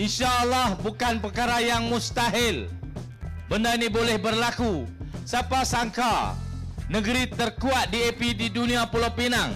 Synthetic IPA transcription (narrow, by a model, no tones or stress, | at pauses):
ʔinʃaʔːlːahbukanpərkaɾajaŋmʊst̪aɦɪl | bəndainibolɛhbərlakusapasaŋka | nəɡəɾit̪ərkuat̪̚diepididuniapulopinaŋ